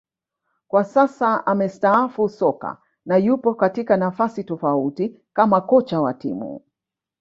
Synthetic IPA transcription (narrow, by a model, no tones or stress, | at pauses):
kwasasaamɛstaafusɔka̰ | najupɔkatikanafasitɔfauti | kamakɔt͡ʃawa̰tḭmṵ